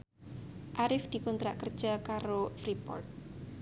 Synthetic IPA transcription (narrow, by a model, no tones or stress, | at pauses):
ʔaɾɪfd̪̥i̤kunt̪ɾaʔkərd̥ʒ̥akaɾofɾipɔ̰rt̪̚